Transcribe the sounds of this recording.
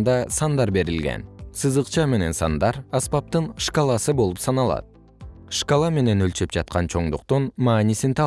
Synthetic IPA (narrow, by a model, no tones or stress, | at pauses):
nd̪ɑsɑnd̪ɑɾbe̞ɾilɡḛnsɯzɯqt͡ʃɑme̞ne̞̰nsɑ̰nd̪ɑɾɑspɑp̚t̪ɯnʂkalˠɑsɯbo̞lˠupsɑnɑlˠɑ̰t̪̚ | ʂkalˠɑme̞ne̞nølt͡ʃe̞p̚d͡ʒɑt̪̚qɑnt͡ʃʰo̞ɴd̪uqt̪unmɑːnisint̪ʰɑ